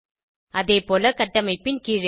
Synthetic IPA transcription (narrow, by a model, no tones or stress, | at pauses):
ɐðeːpoːlɐkɐʈːɐmɐɪpːɪnkiːɻ